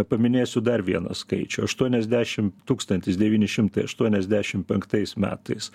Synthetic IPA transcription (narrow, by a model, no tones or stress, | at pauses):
pɐmʲɪnʲeːsʲʊd̪ɐɾʋʲiɛnɐ̰skɐɪt͡ʃʲʊɐʃt̪uɔnʲɛzʲd̪ʲæːʃʲɪmt̪uːkst̪ɐnʲt̪ʲɪsd̪ʲɛʋʲiːnʲɪʃʲɪmt̪ɐɪɐʃt̪uɔnʲɛzʲd̪ʲæːʃʲɪmpʲɛŋkt̪ɐɪsmʲæ̰ːt̪ɐɪs